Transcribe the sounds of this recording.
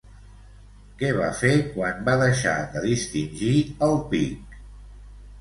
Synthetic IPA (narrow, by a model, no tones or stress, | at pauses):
kɛβ̞a̰feɾkwanbaðəʃa̰ðəðist̪inʲʒiəlˠpik